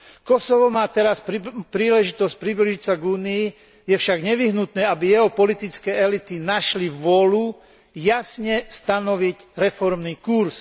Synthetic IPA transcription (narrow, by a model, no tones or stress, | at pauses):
kɔsɔʋɔmaːt̪ɛɾasppɾiːlɛʒit̪ɔsc̚pɾibliʒict͡saɡuːnii | jɛfʃaɡɲɛʋiɦnut̪nɛːabijɛɦɔpɔlit̪it͡skɛːɛlit̪inaʃliʋʊɔlu | jasɲɛst̪anɔʋicɾɛfɔɾmniːkuɾs